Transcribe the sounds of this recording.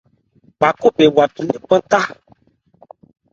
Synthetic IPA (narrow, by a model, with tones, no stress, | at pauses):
ba˨ko˦be˨wa˨tu˨nĩ˦k͡pə˦ta˦